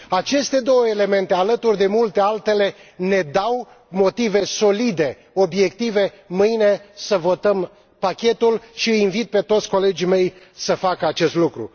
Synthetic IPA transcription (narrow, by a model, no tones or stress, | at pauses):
at͡ʃe̞st̪e̞d̪o̞wəele̞me̞nt̪e̞alət̪urʲd̪e̞mult̪e̞alt̪e̞le̞ne̞d̪aw | mo̞t̪ive̞so̞lid̪e̞ | o̞bje̞kt̪ive̞ | mɨjne̞səvo̞t̪əm | pakʲe̞t̪ulʃiɨjinvit̪̚pe̞t̪ot̪sʲko̞le̞d͡ʒime̞j | səfakəat͡ʃe̞st̪lukɾṵ